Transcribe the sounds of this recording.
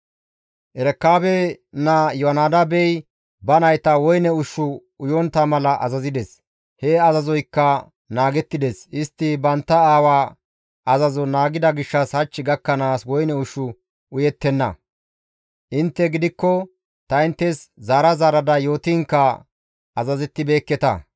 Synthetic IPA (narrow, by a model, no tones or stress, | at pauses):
ʔɛɾɛkːaːbɛ | nɐjɔɐnaːd̪ɐbɛj | bɐnɐjt̪ɐwɔjnɛʊʃːʊ | ʊjɔnt̪ːɐmɐlɐʔɐ̰zɐzɪd̪ɛs | hɛɐzɐzɔjkːɐ | naːɡɛt̪ːɪd̪ɛsɪst̪ːɪbɐnt̪ːɐaːwaː | ɐzɐzɔnaːɡɪd̪ɐɡɪʃːɐshɐt͡ʃːɪɡɐkːɐnaːswɔjnɛʊʃːʊ | ʊjɛt̪ːɛnːɐ̰ | ʔɪnt̪ːɛɡɪd̪ɪkːɔ | t̪ɐɪnt̪ːɛszaːɾɐzaːɾɐd̪ɐjo̞ːt̪ɪŋkːɐ | ɐzɐzɛt̪ːɪbe̞ːkːɛt̪ɐ̰